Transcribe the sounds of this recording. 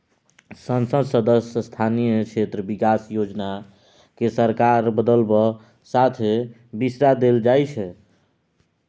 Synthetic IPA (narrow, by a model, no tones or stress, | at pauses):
sənsəd̪səd̪əsəst̪ʰanijəkʰet̪ɾəbikasjod͡ʒna | kesəɾkaɾbəd̪əlbɔ | sat̪ʰe | bisɾad̪eld͡ʒajt͡ʃʰɛ